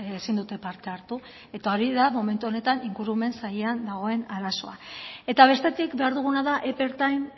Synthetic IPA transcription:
esind̪ut̪e̞paɾt̪e̞aɾt̪u | e̞t̪ao̞ɾiðamo̞me̞nt̪uo̞ne̞t̪aniŋɡuɾume̞nsaje̞and̪aɣ̞o̞e̞naɾaso̞̰a̰e̞t̪aβ̞e̞st̪e̞t̪ikbe̞aɾðuɣ̞unaðaʔepe̞ɾt̪ajn

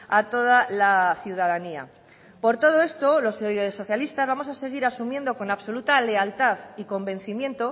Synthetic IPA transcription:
at̪o̞ð̞alaθjuð̞aðania̰ | po̞ɾt̪o̞ð̞o̞e̞st̪o̞lo̞ssːo̞θjalist̪azβamo̞sase̞ɣ̞iɾasumje̞nd̪o̞ko̞naβso̞lut̪ale̞alt̪aðiko̞mbẽ̞n̟θimjẽ̞nt̪o̞

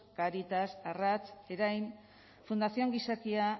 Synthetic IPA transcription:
kaɾit̪asarat͡se̞ɾajm | fund̪asioŋɡisakia

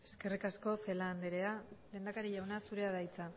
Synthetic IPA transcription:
e̞̥ske̞rikasko̞fe̞laːnd̪eɾe̞aleːnd̪akaɾiʎawnasuɾe̞aðajt͡sa

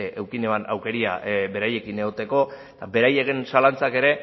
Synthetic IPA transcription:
eʔewkineβana̰wke̞ɾia̰be̞ɾaje̞kine̞ɣo̞t̪e̞ko̞ | t̪abe̞ɾaje̞ɣe̞nsalant͡sake̞ɾe̞

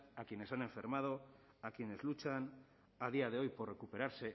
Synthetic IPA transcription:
akje̞ne̞sane̞ɱfe̞ɾmað̞o | akje̞ne̞zlut͡ʃan | að̞iað̞e̞o̞jpo̞rre̞kupe̞ɾaɾse̞

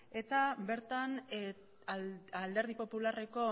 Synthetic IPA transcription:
e̞t̪abe̞ɾt̪an | ald̪e̞ɾð̞ipo̞pulare̞ko̞

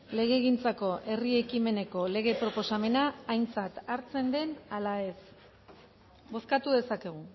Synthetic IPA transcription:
le̞ɣ̞e̞ːɣint͡sako̞ʔe̞rie̞kime̞ne̞ko̞le̞ɣ̞e̞pɾo̞po̞same̞naːjnt͡sat̪aɾt͡se̞nd̪e̞nalae̞s | bo̞skat̪uðe̞sake̞ɣ̞u

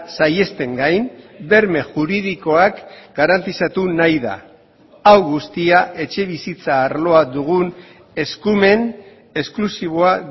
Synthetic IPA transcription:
saje̞st̪e̞ŋɡajn | be̞ɾme̞ʝuɾið̞iko̞akɡ̥aɾant̪isat̪unajða̰ | awɣust̪iaʔe̞t͡ʃe̞β̞isit͡saːɾlo̞ad̪uɣ̞un | e̞skume̞n | e̞sklusiβ̞oa

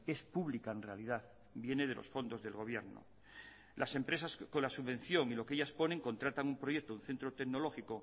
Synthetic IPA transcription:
e̞spuβlikaenre̞alið̞að | bje̞ne̞ð̞elo̞̰sfo̞nd̪o̞zðe̞lɣo̞β̞je̞ɾno̰ | lʔase̞mpɾe̞sasko̞nlasuββẽ̞nθjo̞ŋilo̞ke̞ʎaspo̞ne̞ŋko̞nt̪ɾat̪aŋumpɾo̞je̞k̚t̪ounθe̞nt̪ɾot̪e̞ɣno̞lo̞xiko̞

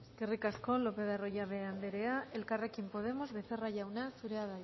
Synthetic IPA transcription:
skerikaskolopeðaroʝaβeand̪eɾeaelkarekimpo̞ð̞emozβeθeraʝawnasuɾeaða

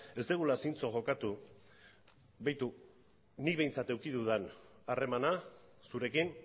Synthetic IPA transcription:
e̞st̪eɣ̞ulasint͡so̞ʝo̞kat̪u | βajt̪u | nikβe̞jnt͡sat̪e̞wkiðuðanare̞manasuɾe̞kin

